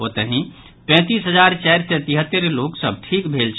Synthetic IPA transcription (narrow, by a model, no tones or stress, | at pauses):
ɦot̪əɦĩ | pɛ̃t̪isɦəd͡ʒaɾt͡ʃɛɪɾsɛt̪iɦət̪ːəɾloksəb̚ʈʰikbʱelt͡ʃʰ